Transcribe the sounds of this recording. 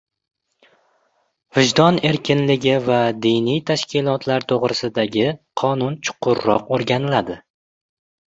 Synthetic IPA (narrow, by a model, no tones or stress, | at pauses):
vɪʒd̪ɒne̞ɾkʲʰɪnlɪɡʲɪvad̪ijnijt̪ʰaʃkʲɪlˠɒt̪ʰlaɾt̪ʰoʁɾɪsɪd̪aɡʲɪqʰɒnʊnt͡ʃʰʊ̥qʰːʊɾːɒ̰qoɾɡʲanɪlad̪ɪ